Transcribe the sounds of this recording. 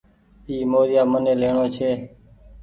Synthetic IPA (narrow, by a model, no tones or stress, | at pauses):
iːmoːɾɪjaːməneːleːɳoːt͡ʃʰeː